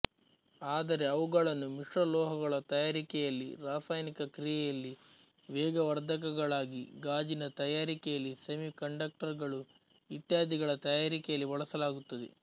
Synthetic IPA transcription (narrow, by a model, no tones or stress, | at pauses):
aːd̪ɐɾe̞ɐʋuɡɐɭɐnːumiʂɾɐlɔːɦɐɡɐɭɐt̪ɐjaːɾikɛjɐlːḭɾaːfɐjnikɐkɾijɛjɐlːi | ʋɛːɡɐʋɐɾd̪ʱɐk̬ɐɡɐɭaːɡiɡaːd͡ʒinɐt̪ɐjaːɾikɛjɐlːisɐmikɐɳɖɐk̚ʈɐɾɡɐɭu | it̪jaːd̪ʱiɡɐɭɐt̪ɐjaːɾikɛjɐlːiʋɐɭɐsɐlaːɡut̪ːɐd̪ḛ